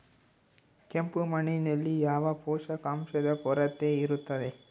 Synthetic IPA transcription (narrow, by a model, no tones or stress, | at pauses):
kempumɐninɐlːijaːʋɐpɔːʂɐkaːmʃɐd̪ɐpɔɾɐt̪ːeiɾut̪ːɐd̪e